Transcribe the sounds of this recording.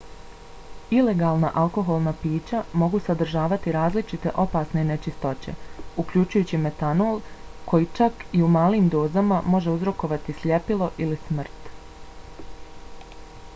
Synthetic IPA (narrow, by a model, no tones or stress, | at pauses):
ile̞ɡaːlˠnaʔalˠko̞ɦo̞lˠnapiːt͡ɕamo̞ɡusad̪ɾ̩ʒaːʋat̪iɾaːzlit͡ʃit̪e̞ʔo̞paːsne̞ne̞t͡ʃist̪o̞t͡ɕe̞̰uklʎut͡ʃujuːt͡ɕime̞t̪anoːlˠkʰo̞jit͡ʃakiumaːliːmd̪o̞ːzamamo̞ʒe̞uzɾo̞ko̞ʋat̪isʎe̞pilˠo̞ʔilismr̩t̪